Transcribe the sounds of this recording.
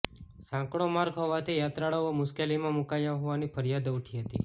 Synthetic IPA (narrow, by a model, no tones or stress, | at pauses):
sãkɽ̃omaɾɡɦɔʋat̪ʰijat̪ɾaɭaʋomʊʃkelimãmukajãɦɔʋanifʰəɾjad̪uʈʰiɦət̪ḭ